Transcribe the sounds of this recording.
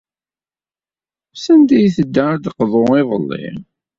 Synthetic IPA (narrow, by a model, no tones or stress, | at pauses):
sænd̪æjθəd̪ːəɾd̪qðˤoɪðˤəlːɪ̰